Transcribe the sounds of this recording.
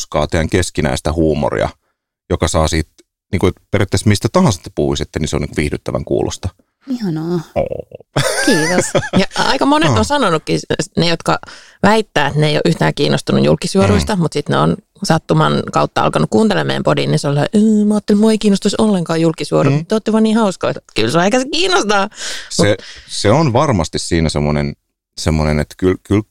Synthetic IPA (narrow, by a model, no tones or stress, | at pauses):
skɑ̰ːt̪eæŋkeskinæ̰ist̪æhuːmo̰rḭɑ̰ | jokɑsɑːsiːt̪ | niːŋkuet̪peræt̪ːæsmist̪æt̪ɑhɑnsɑt̪ne̥puhuiset̪ːæniseoniːŋkuʋihdyt̪ːæʋæ̰ŋkṵːlʔo̰st̪ɑ | ihɑnoːo̰ːkiːt̪osjɑɑ̰ikɑmoneonsɑnonukːinejot̪kɑ̰ʋæit̪ːæːet̪neijo̰ʔyht̪æ̰ːkiːnːʔost̪unṵjṵlkːˑisuoɾuist̪ɑmut̪sit̪neo̰n | sɑt̪ːumɑnkɑ̰ut̪ːɑɑ̰lkɑnukuːnt̪elemḛjæmpodinːinsollɑʔøːmɑːt̪ːelmuoeikiːnost̪usolːeŋkɑːjulkisuorumut̪ːoːt̪ːeʋɑniːhɑusko̰it̪kylseɑekæsekiːnost̪ɑːsmueseonʋɑrmɑst̪issiːnæsemːonḛn | semːonḛnḛt̪kylkyl